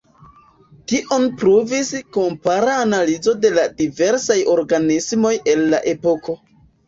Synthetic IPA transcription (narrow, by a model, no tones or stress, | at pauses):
tiʔo̞npɾuviskompaɾaːnalizo̞de̞ladive̞ɾsajo̞ɾɡanismo̞je̞lːa̰ʔe̞po̞ko̞